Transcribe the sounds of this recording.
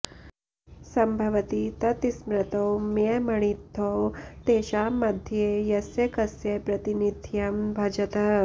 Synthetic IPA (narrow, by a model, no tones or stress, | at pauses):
sɐmbʱɐʋət̪it̪ɐt̪ismɾɐt̪owmemɐɳ̃it̪ʰːowt̪eːʃaːmɐd̪ʱjejɐsjekɐsjepɾɐt̪inid̪ʱjɐmbʱɐd͡ʒɐt̪ɐ